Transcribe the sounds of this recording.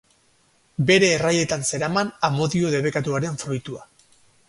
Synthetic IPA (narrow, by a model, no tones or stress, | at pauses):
be̞ɾe̞ːraje̞t̪anse̞ɾamanamo̞ðio̞ðe̞βe̞kat̪uaɾeɱfɾojt̪ua